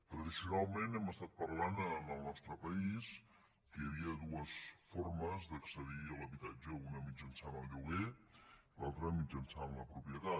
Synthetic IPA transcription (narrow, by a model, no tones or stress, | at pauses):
t̪ɾəðisiunalˠmenɛməst̪at̪̚pərlannəlˠnɔst̪ɾəpəis | kəjəβiəðuəsfɔɾməzd̪əksəðiələβit̪ad͡ʒəunəmid͡ʒənsanəlˠʎuɣe | lalˠt̪ɾəmid͡ʒənsamləpɾupjət̪a